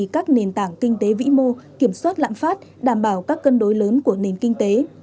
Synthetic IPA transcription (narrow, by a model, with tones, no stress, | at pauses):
kaː˦˥k̚ne˨˩nt̪aː˧˩ŋkï˧ŋ̟t̪e˨˦vḭ˧˥mo˧ki˧˩əmswaː˦˥t̚la̰ː˧˨mfaː˦˥t̚ɗaː˧˩mɓaː˧˩wkaː˦˥kːə˧nɗo˨˦jləː˨˦nku˧˩əne˨˩nkï˧ŋ̟t̪e˨˦